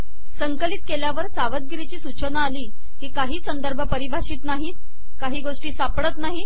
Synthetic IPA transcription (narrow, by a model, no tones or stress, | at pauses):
səŋkəliːt̪keljaʋəɾsaʋəd̪̚ɡɾit͡ɕiːsut͡ɕənaːliː | kiːkaɦiːsənd̪əɾbʱəpəɾibʱaɕiːt̪naɦiːt̪ | kaɦiːɡoʂʈiːsapɽət̪naɦiː